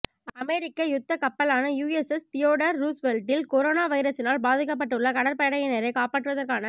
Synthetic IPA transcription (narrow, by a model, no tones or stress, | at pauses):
ɐmɛɾɪkːɐjʊt̪ːɐkɐpːɐlaːnɐjuːesɛst̪ɪjoːɽɐɾːuːsʋɛlʈɪlkɔɾoːnaːʋɐɪɾɐsɪnaːlbaːðɯkːɐp̬ːɐʈːɯɭːɐkɐɽɐɾpɐɽɐjɐneːɾɐɪkaːpaːʈːɯʋɐðɐrkaːnɐ